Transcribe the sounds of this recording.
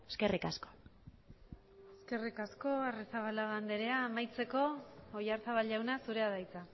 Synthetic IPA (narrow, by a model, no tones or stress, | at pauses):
eskerikasko̥ | eske̞rikasko̞aresaβalaɣand̪e̞ɾe̞aːmajt͡se̞ko̞ojaɾsaβalʝawnasuɾe̞aðajt͡sa